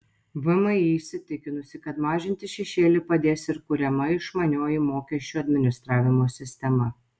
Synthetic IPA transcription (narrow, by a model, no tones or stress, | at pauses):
ʋʊmɐɪːsʲɪt̪ʲɪkʲɪnʊsʲɪkɐt̪mɑːʒʲɪnʲt̪ʲɪʃʲɛʃʲeːlʲɪpɐd̪ʲeːsɪɾkʊɾʲɛmɐɪʃmɐnʲoːjɪmoːkʲɛʃʲt͡ʃʲuɐd̪ʲmʲɪnʲɪst̪ɾɑːʋʲɪmoːsʲɪsʲt̪ʲɛmɐ